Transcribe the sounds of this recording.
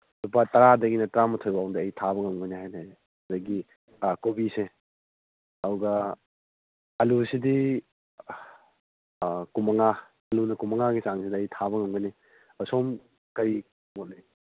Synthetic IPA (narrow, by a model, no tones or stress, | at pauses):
lupatɐɾadɐɡinɐtɾamɐtʰojbawŋdɐːjtʰaβɐŋɐmɡojniɦajne | ɐdɐɡi | kobise | ɐuɡɐ | ɐlusidi | kumɐŋa | ɐlunɐkumɐŋaɡisaŋsidɐːjtʰaβɐŋɐmɡɐni | ɐsom | kɐɾi | motle